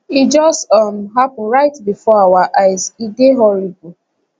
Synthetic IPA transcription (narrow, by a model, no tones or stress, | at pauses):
id͡ʒɔstʌm̩ɦapʊ̃n̩ɹaɪtbifɔawaʔaɪziɡeɦɔɾibʊ